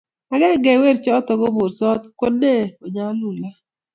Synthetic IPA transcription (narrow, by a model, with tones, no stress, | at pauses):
a˨ɡɛ˦ɡɛ˨we˦ɾt͡ʃɔ˦tɔ˨ɡo˦bo˨ɾsɔ˦t̪ko˦de˦˨o˨ɲa˦lu˨la˦